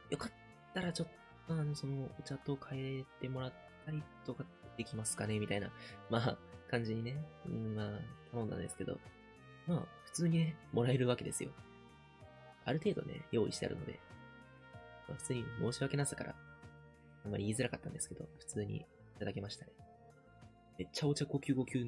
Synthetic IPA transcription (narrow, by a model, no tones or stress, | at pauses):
jo̞kat̪ː | aɾat͡ɕo̞t̪ː | o̞ano̞so̞no̞ɯ̟t͡ɕat̪o̞kʰaeɾet̪e̞mo̞ɾat̪ʰːaɾʲit̪okad̪̥e̞kʲimasɨ̥kane̞mʲit̪aina̰maːkãɲ̟d͡ʑiɲ̟ine̞ɯ̃maːt̪ʰanõ̞nd̪ã̰nd̪esɨ̥ke̞d̪o̞̰ | maːɸɯ̟̥t͡sɨːɲ̟ine̞mo̞ɾae̞ɾɯ̟βake̞d̪e̞sɨjo̞̰ | aɾɯ̟t̪e̞ːd̪o̰ne̞̰jo̞ːḭɕit̪ea̰ɾɯ̟no̞d̪e̞̰ | maɸɯ̟̥t͡sɨːɲ̟imo̞ːɕiβake̞nasḁkaɾʔa̰ | amːa̰ɾʲiːzɨɾakat̪ːãnd̪e̞sɨ̥ke̞d̪o̞̰ɸɯ̥t͡sɨːɲ̟ḭ | it̪ad̪ake̞maɕi̥t̪ad̪e | me̞t͡ɕːao̞t͡ɕako̞ːkʲɨːɡo̞kʲɨː